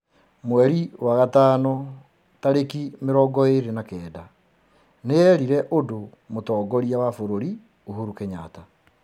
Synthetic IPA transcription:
mwɛɾiwaɣataːnɔ | taɾekimeɾɔːɡɔeɾenakɛːda | neɛɾiɾɛʔodo | motɔːɡɔɾiawafoɾoɾi | oɦuɾukeɲaːta

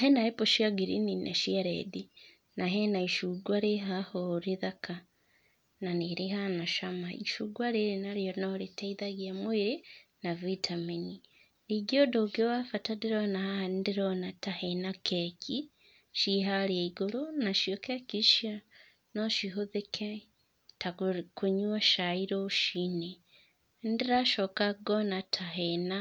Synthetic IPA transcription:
aɦɛnaepoʃiaɡiɾininʔa̰ʃiaɾḛdi | naɦenaiʃuɡwaɾeɦahoɾeðaka | naneɾeɦanaʃamaḭʃuɡwaɾeɾenaɾijɔnɔɾetaiðaɣjamweɾenavitʰameni | ɾiɡodoɡewafatadeɾonahaandeɾonatahenakʰekʰi | ʃiɦaɾiaiɡoɾonaʃiokekiʃia | noʃiɦoðekʰe | takoɲwaʃaiɾoʃine | ndiɾaʃokaɡonatʰaɦena

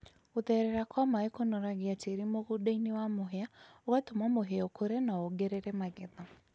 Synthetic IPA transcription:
oðɛɾɛɾakɔmaekonɔɾaɣeateɾimoɣudainewamoɦeaoɣatomamoɦeɔkʰoɾɛnaoɡeɾeɾɛmaɣɛða

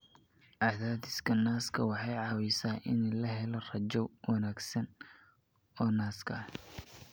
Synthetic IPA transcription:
ʔaːðaːd̪ɪskʰɐnaːskʰɐwɑħɑjʕɑːwɛsaːʔɪnlɐɦɛlɔrɐd͡ʒɔwɑnaːɡsɐn | ɔːnaːskʰɐɐh

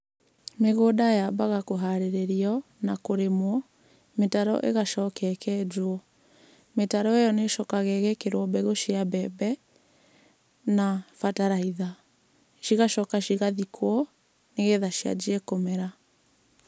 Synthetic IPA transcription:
meɣoːdajabaɣakoɦaɾeɾeɾiɔ | nakoɾemwɔ | metaɾɔ̰ʔḛɣaʃɔːkɛkɛduɔ | metaɾɔejɔneʃɔkaɣɛɣɛkeɾoɔbɛɣoʃiabɛbɛ | nafataɾaiða | ʃiɣaʃɔːkaʃiɣaðikʰwɔ | neɣeðaʃia̰d͡ʒiɛkomɛɾa

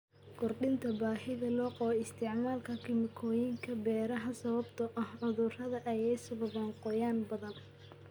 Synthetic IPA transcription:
ɡʊrɗɪnt̪ʰɐbaːhɪɣɐlɔːqɔɪst̪ʰɪʕmaːlkʰɐkʰɪlmɪkʰɔːjɪŋkʰɐbɛːɾɐɦɐsɐβɐbt̪ʰɐʔɐhʕʊðʊrɐðɐʔɐjɛjsʊβɐβɐŋqɔjaːnbɐðɐn

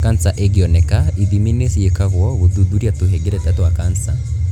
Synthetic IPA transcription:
kant͡saʔɛɡiɔnɛkaiðiminɛsijekaɣwɔβud̪ud̪uɾiat̪uɦɛɡɛɾɛtatuwakant͡sa

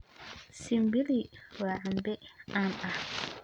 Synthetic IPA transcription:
simbiliwaambɛʔama

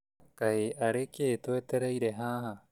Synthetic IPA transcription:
kaeʔaɾekeːt̪uet̪eɾajɾeɦaɦa

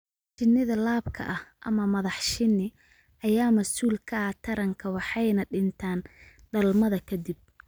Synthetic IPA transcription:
t͡ʃɪnːɪðɐlaːbkʰɐ̰ʔɐhʔɐ̰mɐmɐðɑħʃɪnːɪ | ʔɐjaːmɐsuːlkʰɐɐt̪ʰɐɾɐŋkʰɐwɑħɑjnɐɖɪnt̪ʰaːn | ɖɐlmɐðɐkʰɐd̪ɪb̚

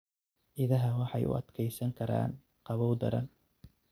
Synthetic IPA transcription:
ʔɪðɐɦɐwɑħɑjʔʊ̰ɐ̰d̪kʰɛjsɐŋkʰɐɾa̰ːn | qɑβɔwd̪ɐ̰ɾɐn

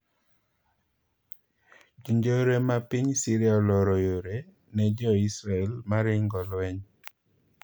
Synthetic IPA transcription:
d͡ʒiɲd͡ʒoɾemapiɲsiɾjaɔlɔɾɔjoɾe | nɛd͡ʒɔisɾaɛlmaɾɪŋɡɔlwɛɲ

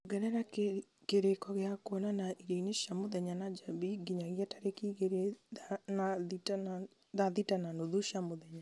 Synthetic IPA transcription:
ɡɛnɛɾake | keɾekɔɣeakwɔnanaiɾeineʃamoðɛɲanad͡ʒabiɡiɲaɣiataɾekiɣeɾeanaðitana | ðaðitananoðuʃamoðɛɲa

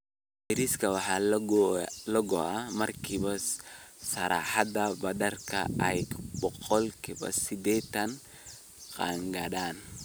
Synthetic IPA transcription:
bɛɾiskʰɐwɑħɑ | lɐɡɔʔɐmɐrkʰiːβɐ | sɐɾaːħɑdɐbɐd̪ɐrkʰɐ̰ɛjbɔqɔlkʰibɐ̰sɪd̪ɛːt̪ʰɐn | qɑːŋɡɐdaːn

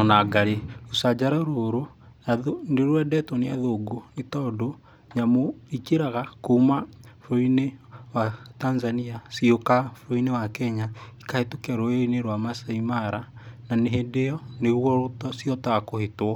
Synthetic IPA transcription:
ɔnaɡaɾeosad͡ʒaɾaɾoɾo | aoneɾwɛdɛtɔneaðoɡonetɔːdo | ɲamoikeɾaɣakoumafɾoinewatanzaniasiokafoɾoinewakɛɲaikahetokɛɾoeineɾwamasaimaɾa | naneɦedejɔneɣwɔotɔsjɔtaɣakohetwɔ

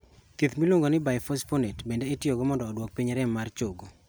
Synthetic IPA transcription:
t̪it̪miloŋɡonɪbajfɔsponetbendeɪtjoɡomɔndɔːdwɔk̚piɲɛɾɛmːart͡ʃoɡo

